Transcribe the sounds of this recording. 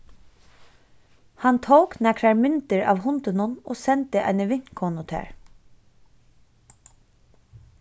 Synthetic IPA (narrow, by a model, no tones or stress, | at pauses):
hɑnt̪ʰowknɛkɾɑɹmʏnt̪əɹɑ̰ːʋhʊnt̪ənʊno̰ːsɛnt̪əʔa̰jnəʋɪn̥kʰɔnʊt̪ʰɛ̰ːɹ